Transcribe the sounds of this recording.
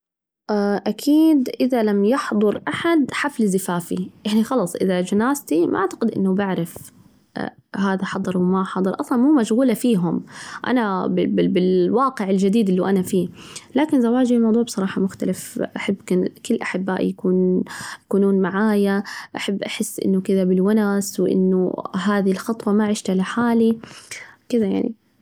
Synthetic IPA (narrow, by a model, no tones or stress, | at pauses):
ʔaʔakʰiːd̪ʔɪðalamjɑħd̪ˤʊɾʔaħad̪ħaflɪzɪfaːfiʔaʕnixɑlɑːsˤʔɪ̰ðad͡ʒanaːst̪imʔa̰ʔaʕt̪ḁqɪd̪ʔɪ̰nːʊbɪʕɾɪf | ɦaːðaħɑd̪ˤɨɾˤwɪmaħɑd̪ˤɨɾˤʔɑsˤlɑnmuːmaʃɣuːlafiːɦʊmʔa̰nabɪbɪbɪlwɑːqɪʕɪld͡ʒad̪iːd̪ɪlːiʔanafiːlaːkɪnzawːaːd͡ʒilmɑwd̪ˤuːʕbsˤɑɾˤɑːħɑmʊxt̪alafʔaħabːkɪkɪlːʔaħɪbːa̰ːʔjakuːnjakuːnuːnmaʕaːjaʔaħabːʔaħɪsːʔɪ̰nːʊkɪðabɪlwanaːswɪʔɪ̰nːʊ̰ɦaːðilxɑt̪ˤwɑmaʕɪʃt̪halɪħaːli | kɪðaja̰ʕnḭ